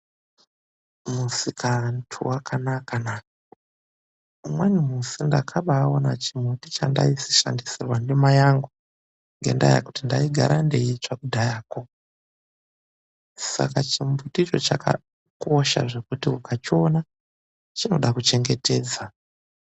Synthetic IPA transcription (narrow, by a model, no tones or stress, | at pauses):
musikʰantʰṵwakʰanakana | mwanumusindakʰaɓaːonat͡ʃimbutit͡ʃa̰nda̰isi̥ʃa̰ndisirwandimajaŋɡu | ŋɡe̞̰ndaja̰kutindaiɡʱa̰ɾande̞jit͡ʂakudʱajaːko̞ | sa̰kat͡ʃimbutit͡ʃo̞t͡ʃaka̰ | ko̞ʃa̰ʐe̞kutiukʰat͡ʃio̞na | t͡ʃino̞ɗakut͡ʃe̞ŋɡe̞te̞ːd͡za